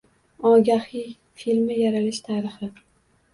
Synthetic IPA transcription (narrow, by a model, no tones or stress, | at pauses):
ɒɡʲahij | filmɪjaɾalɪʃt̪ʰaːɾɪχɪ